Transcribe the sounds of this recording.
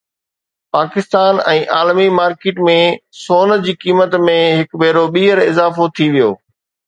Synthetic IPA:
paːkɪst̪aːnɛ̃ːʔaːlmimaːɾkɪːʈmẽsoːnd͡ʑiːkiːmət̪mẽɦɪkbeːɾoɓiːɦəɾɪzaːfot̪ʰiʋijo̰ː

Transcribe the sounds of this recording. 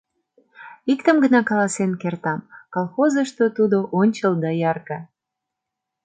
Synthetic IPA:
ikt̪əmɡənɑkɑlɑsenkert̪ɑmkolˠxozəʃt̪ot̪ud̪oʔonʲt͡ɕəld̪ɑjɑrkɑ

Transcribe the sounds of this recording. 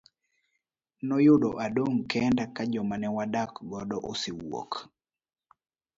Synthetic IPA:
nɔjʊdɔʔadomkɛndakad͡ʒɔmanɛwadakɡɔdɔʔosɪwɔ̰k

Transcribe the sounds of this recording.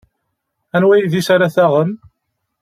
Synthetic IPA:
ænwæjiðisaɾaθæʁən

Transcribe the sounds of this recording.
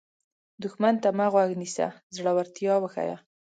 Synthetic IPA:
d̪ʊxmant̪amaɣwaɡnisa̰zɽawaɾt̪jɑwəxa̰ja̰

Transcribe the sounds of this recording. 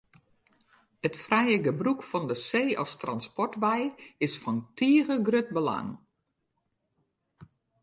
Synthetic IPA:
hətfrɛjəɡəbrukfɔndəseːɔ̰lˠstranspɔrtʋɛjɪsfɔntiːəɣəɡrøt̚bəla̰ŋ

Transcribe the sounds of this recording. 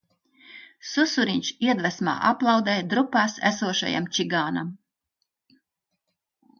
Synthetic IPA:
susuɾiɲʲʃiɛd̪væsma̰ːʔaplˠɑwd̪ɛːjd̪ɾupaːsæ̰suɔʃa̰ja̰mt͡ʃiɡaːna̰m

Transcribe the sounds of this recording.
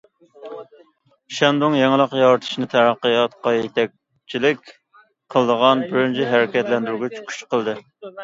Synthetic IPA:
ʃɛnd̪ʊŋjɛŋlˠəqjɑɾt̪ʰɨ̥ʃnɨt̪ʰæɾæqːəjɑt̪qɑjet̪ʰɛk̚ʲ | t͡ʃʰilɪkʲ | qʰəlˠd̪əʁɑnbɪɾɪnt͡ʃʰɛɦæɾɪkʲɛt̪lɛnd̪yɾɡʲɛt͡ʃʰy̥kʲʰy̥ʃqʰəlˠd̪ɨ

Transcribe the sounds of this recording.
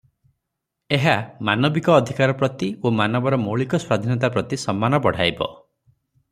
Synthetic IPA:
eɦamanɔbikɔːd̪ʱikaɾɔpɾɔt̪iomanɔbɔɾɔmoɭikɔswad̪ʱinɔt̪apɾɔt̪isɔmːanɔbɔɽ̤a̰jbɔ̰

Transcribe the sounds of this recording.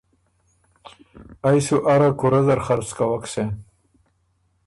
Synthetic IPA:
ajsuʔaɾakuɾazɐɾχaɾt͡skawakse

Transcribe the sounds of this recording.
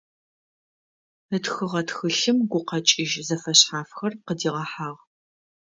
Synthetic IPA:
ətxɨʁɐtxɨɬɨmɡʷʊqɐt͡ʃʼɪʒzɐfɐɕħaːfxɐrqədiːʁɐħaːʁ

